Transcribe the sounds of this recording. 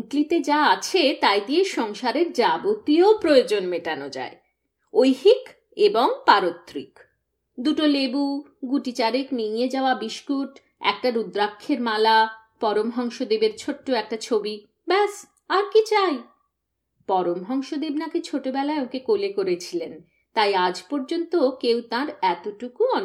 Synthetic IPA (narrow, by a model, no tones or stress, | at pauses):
uklit̪ed͡ʑaat͡ɕʰet̪ajd̪ieʃɔŋʃaɾeɾd͡ʑabot̪iopɾojod͡ʑonmeʈanod͡ʑa̰e | ojɦik | eboŋpaɾot̪ːɾik | d̪uʈolebuɡuʈit͡ɕaɾekniijed͡ʑaoabiʃkuʈ | ɛ̰k̚ʈaɾud̪ɾakʰːeɾmala | pɔɾomɦɔŋʃod̪ebeɾt͡ɕʰoʈːoɛk̚ʈat͡ɕʰobi | bɛs | aɾkit͡ɕaj | pɔɾomɦɔŋʃod̪ebnaket͡ɕʰoʈobɛlaeokekolekoɾet͡ɕʰilen | t̪ajad͡ʑpoɾd͡ʑont̪okewt̪ãɾɛt̪oʈukuɔn